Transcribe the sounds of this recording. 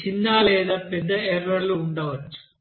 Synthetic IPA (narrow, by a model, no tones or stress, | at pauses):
t͡ɕinːaːɭeːðɐped̪ɐerɐɭuuɳɖɐʋɐtːu̥